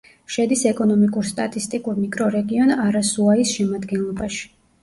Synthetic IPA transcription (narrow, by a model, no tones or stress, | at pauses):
ʃɛd̪isɛkʼɔnɔmikʼuɾst̪ʼat̪ʼist̪ʼikʼuɾmikʼɾɔɾɛɡiɔnaɾasuaisʃɛmad̪ɡɛnlˠɔbaʃi̥